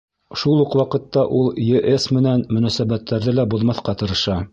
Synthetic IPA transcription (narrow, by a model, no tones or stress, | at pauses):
ʃulˠuqwɑqɤ̆t̪ːɑʔulˠjɘʔesmɘ̆nænmɵ̆næsæβæt̪ʰːæɾðɘlæbuðmɑθqɑt̪ɤ̆ɾɤ̆ʃɑ